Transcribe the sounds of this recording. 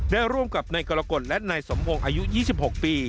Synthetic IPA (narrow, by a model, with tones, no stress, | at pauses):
daː˥˩jɾu˥˩əmka˨˩p̚na˧jkɔː˧la˧ko˨˩t̪̚lɛ˦˥ʔnaː˧jso˩˦mpʰo˧ŋʔaː˧ju˦˥jiː˥˩si˨˩p̚ho˨˩k̚piː˧